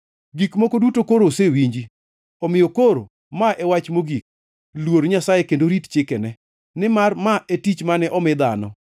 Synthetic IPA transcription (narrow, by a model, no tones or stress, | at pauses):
ɡikmokodutokoɾosewiɲd͡ʒi | ɔmɪjokoɾo̰ | maʔɛwat͡ʃmoɡik̚ | lwoɾɲasajekendoɾitt͡ʃɪkɛnɛ | nɪmarmaetit͡ʃmanɛʔɔmɪd̪anɔ